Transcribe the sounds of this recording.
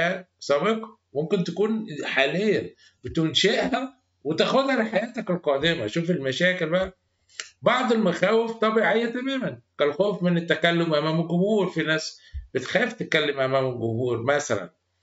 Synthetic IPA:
æsˤɑbiq | momkent̪ækuːnħaːlejːæ | b̥ɪt̪unʃeʔhæ | wet̪æːxod̪hæliħajæːt̪ækelqɑːd̪emæʃuːfelmæʃæːkelbæʔæ | bɑʕd̪ˤelmæxæːweft̪ˤɑbiːʕejːæt̪æmæːmænkælxoːfmenet̪ːækælːomʔæmæːmɡʊhuːɾfinæːsb̥et̪xæːft̪ekælːemʔæmæːmelɡʊbuːɾmæsælæ̰n

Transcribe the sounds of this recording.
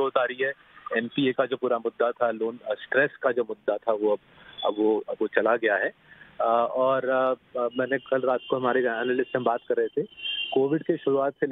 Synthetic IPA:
oːt̪aːɾiɦɛ | ɛːmpiːekad͡ʒoːpuːɾamʊd̪ːat̪ʰaloːnsʈɾɛːskad͡ʒoːmʊd̪ːat̪ʰaʋoɐb̰ | ʋoʋot͡ʃɐlaɡɐjaɦɛː | ɔːɾmɛːnekɐlɾaːt̪koɦɐmaːɾeɛːnalɪsseɦɐ̃mbaːt̪kɐɾːəɦet̪ʰekoːʋɪɖkeʃʊɾuaːt̪sel

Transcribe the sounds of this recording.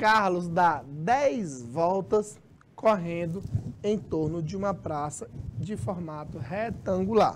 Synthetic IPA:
kaɾlʊzd̪ad̪ɛjzvɔwt̪ɐs | koɦẽnd̪ʊẽj̃t̪oɾnʊd͡ʒɪũmɐpɾasɐd͡ʒɪfɔɾmat̪ʊɦɛt̪ɐ̃ŋɡula̰ɾ

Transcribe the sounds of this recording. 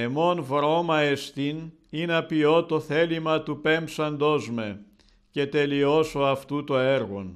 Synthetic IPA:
e̞mo̞nvɾo̞mɐest̪in | inɐpio̞t̪o̞θe̞limɐt̪upempsɐnd̪o̞zme̞ | ce̞t̪e̞lio̞so̞ɐft̪ut̪oeɾɣo̰n

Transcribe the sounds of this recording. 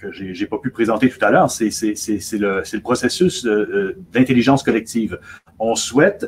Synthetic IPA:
kəʒeʒepapypχezɑ̃t̪et̪u̥t̪alœːʁsɛsɛsɛsɛləsɛləpχɔsesys | d̪ɛ̃t̪eliʒɑ̃skɔlɛk̚t̪iːv | ɔ̃swɛt̪

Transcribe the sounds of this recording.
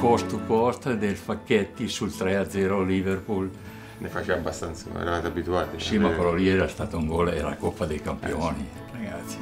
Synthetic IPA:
kɔst̪upɔst̪d̪elfakːɛt̪ːisult̪ɾɛad̪zɛɾoliverpul | nefat͡ʃeabast̪ant̪so̰ɛ̰ɾaat̪abit̪uat̪isimapɾɔliɛɾast̪aːt̪uŋɡɔlɛ̰ɾa̰kopːad̪ejkampjɔni | raɡat̪si̥

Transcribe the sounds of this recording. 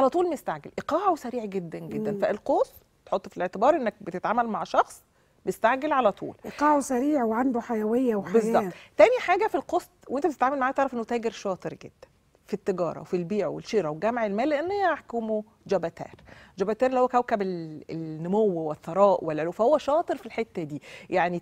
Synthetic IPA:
ʕalæt̪ˤuːlmeest̪aʕɡelʔeqɑːʕawsæɾiːʕɡed̪ːænɡed̪ːænfæʔelqoːs | t̪ħot̪ˤːfileʕt̪ebɑːɾˤʔenːæk̚bet̪et̪ʕaːmælmaʕʃɑxsˤ | beest̪aʕɡelʕalæt̪ˤṵːlʔeqɑːʕosæɾiːʕweʕand̪oħajæwejːæwbezˤːɑt̪t̪æːniħaːɡæfilqosˤt̪ˤwʔent̪æet̪et̪ʕaːmælmaʕaːt̪ɑʕɾɑfʔenːot̪æːɡeɾʃɑːt̪ˤɨɾɡḛd̪̥ːæ̥n | fit̪ːeɡɑ̰ːɾˤɑ̰wfilbiːʕowḛlʃiːɾˤɑwɡæmʕelmæːlːeʔænːaħkuːmo | d͡ʒæbæt̪æ̰ːɾd͡ʒæbæt̪æːɾlːihowːækæwkæbelelnːomowweθːɑɾˤɑːʔwelʕolowfæhowːæʃɑːt̪ˤɨɾfilħet̪ːæd̪iːjaʕni

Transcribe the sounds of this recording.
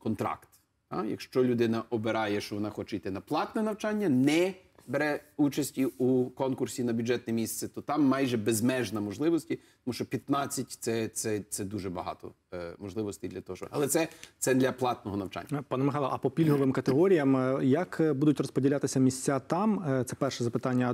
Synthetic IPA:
kɔnt̪ɾɑ̰kt̪ | ɑ̰jɐ̰kʃt͡ʃɔlʲʊd̪ɪnɐʔɔbeɾɑjɛʃt͡ʃɔʋɔnɑxɔt͡ʃɛit̪ɪnɐplˠɑt̪nɛnɐwt͡ʃɑnʲːɐnɛbeɾɛut͡ʃɐsʲtʲiukɔnkʊrsʲinɐbʲjʊd͡ʒɛt̪nɛmʲist̪sɛt̪ɔt̪ɑmːɑjʒɛbezmɛʒnɐmɔʒlˠɪʋɔsʲtʲit̪ɔmuʃt͡ʃɔpʲjɐt̪nɑt͡sʲːɐtʲt̪sɛt̪sɛt̪sɛd̪uʒɛbɐɦɑ̰t̪ɔ̰ | mɔʒlˠɪʋɔst̪ɐjd̪lʲɐt̪ɔɦɔɔ̰ɐlˠɛt̪sɛt̪sɛd̪lʲɐplˠɑt̪nɔɦɔnɐwt͡ʃa̰nʲːpɑnɐmɪxɑjlˠɐ̰ʔɐpɔpʲilʲɦɔʋɪmkɐt̪eɦɔɾʲijɐmjɐkbud̪ʊtʲrɔspɔdʲilʲat̪ɪsʲɐmʲisʲt͡sʲat̪ɑmt̪sɛpɛrʃɛzɐpɪt̪ɑnʲːɐ

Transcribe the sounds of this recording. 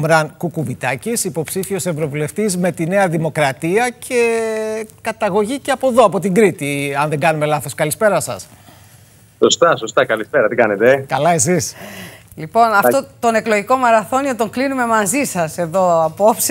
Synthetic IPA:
mɾɐŋkukuvit̪ɐcisipo̞psifio̞se̞vɾo̞vule̞ft̪izme̞t̪ine̞ɐðimo̞kɾɐt̪iɐcʰe̞ | kɐt̪ɐɣo̞ʝice̞ɐpo̞ðo̞ɐpo̞t̪iŋɡɾit̪iɐnðe̞ŋɡɐnume̞lɐθo̞skɐlispe̞ɾɐsɐ̰s | sost̪ɐso̞st̪ɐkɐlispe̞ɾɐt̪ikɐnet̪ekɐlɐe̞sislipo̞nɐft̪ot̪one̞kloʝiko̞mɐɾɐθo̞niot̪oŋklinume̞mɐzisɐse̞ðo̞ɐpops

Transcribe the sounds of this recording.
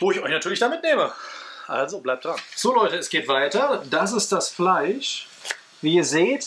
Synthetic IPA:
voːɪçɔʏçnatʰyːɐlɪçd̥aːmɪtneːməʔa̰lzoblaɪp̚d̥ʁanz̥oːlɔʏtəɛsɡ̥eːtv̥aɪtɐd̥asɪst̚d̥asflaɪʃ | viːiːɐzeːt

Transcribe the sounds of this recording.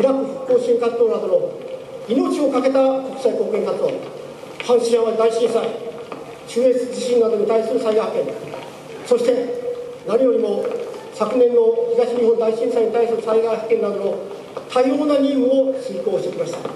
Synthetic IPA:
iɾakɯ̟ɸɯ̟̥kːo̞ːɕĩŋkat͡st̪o̞ːnad̪o̞no | ino̞t͡ɕio̞kake̞t̪ako̞kɯ̥saiko̞ːkẽŋkat͡st̪o̰ː | hãɰ̃ɕiʑãβad̪aiɕĩɰsai | t͡ɕɨːet͡sɨd͡ʑiɕĩnnːad̪o̞ɲ̟it̪aisɨɾɯ̟saiɡahkẽ̞n | so̞ɕi̥t̪e̞ | naɲʲijo̞ɾʲimo̞sakɯ̟nẽ̞nːo̞çiɡaɕiɲ̟iɦõ̞nd̪aiɕĩsaiɲ̟it̪aisɨɾɯ̟saiɡahi̥kẽ̞nad̪o̞no̞ | t̪ʰaio̞ːnaɲʲiɯoɕĩko̞ːɕit̪ekimaɕi̥t̪ḁ

